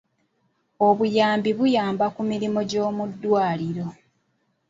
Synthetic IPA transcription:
oβujaːmbiβujaːmbakumiɾimo̞ɟo̞ːmudːwaːliɾo̞

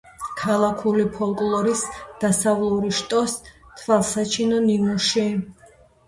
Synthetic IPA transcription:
kʰalˠakʰulipʰɔlˠkʼlˠɔɾisd̪̥asavlˠuɾiʃt̪ʼɔst̪ʰvalˠsat͡ʃʰinɔninuʃi

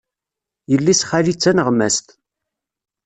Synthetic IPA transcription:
jəlːisχalit͡sːænəʁmæst̪

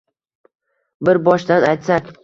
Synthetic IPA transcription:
bɪɾbɒʃd̪anajt̪sakʲ

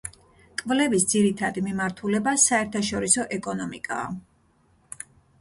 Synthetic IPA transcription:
kʼvlɛvisd̪ziɾit̪ʰad̪imimaɾt̪ʰulɛbasaɛɾt̪ʰaʃɔɾisɔʔɛkʼɔnɔmḭkʼa̰ː

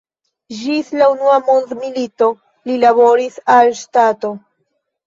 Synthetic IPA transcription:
d͡ʒislaunuamondmilito̞ | lilaβo̞ɾisalʃtato

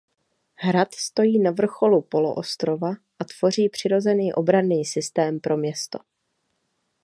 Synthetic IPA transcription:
ɦɾat̪st̪o̞jiːnavr̩xo̞lupo̞lo̰ʔost̪ɾo̞vaʔat̪v̥o̞r̝iːpr̥ɪɾo̞zɛniːʔo̞bɾaniːsɪst̪ɛːmpɾʔo̞mɲɛst̪o̞̥̰

